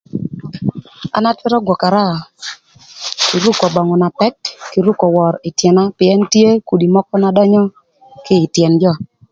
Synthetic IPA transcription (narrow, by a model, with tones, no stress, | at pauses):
a̰˨na˦twɪ˦ɾɔ˦ɡwɔ˨ka˨ɾa˦˨ | ki˨ɾu˦kɔ˨bɔ˨ŋɔ˨na˨pɛ˦tki˨ɾu˦kɔ˨wɔ˨ɾɪ˨tjɛ˨na˦pɪ˨ɛ˦ntje˦ku˨di˨mɔ˦kɔ˦na˨dɔ˦ɲɔ˦ | kɪː˦˨tjɛ˨nd͡ʒɔ˦˨